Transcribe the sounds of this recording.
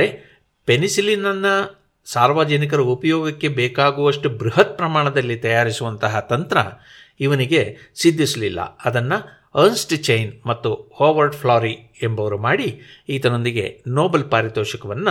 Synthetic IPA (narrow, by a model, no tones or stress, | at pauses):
ɾe | pe̞nisilinɐnːɐ | saːɾʋaːd͡ʒɐnikɐɾɐupɐjɔːɡɐkːe̞bɛːkaːɡuʋɐʂʈubɾuɦɐt̪̚pɾɐmaːɳɐd̪ɐlːit̪ɐjaːɾisuʋɐnt̪ɐɦɐt̪ɐnt̪ɾɐ̰ | iʋɐniɡe̞sid̪ʱːisɐlilːɐ̰ɐd̪ɐnːɐ | ɐnsʈt͡ʃɐjnmɐt̪ːuhoːʋɐɾɖpʰlaːɾiembɐʋɐɾumaːɽiiːt̪ɐno̞nd̪iɡe̞̰noːbɐlpaːɾit̪ɔːʃɐkɐʋɐnːu